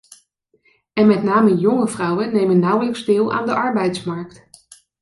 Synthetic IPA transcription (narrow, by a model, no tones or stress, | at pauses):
ɛnmɛtnaːməjɔŋəvrʌwənːejmənːʌwələkzdɪːlˠa̰ːndəʔɑɹbɛjtsmɑɹkt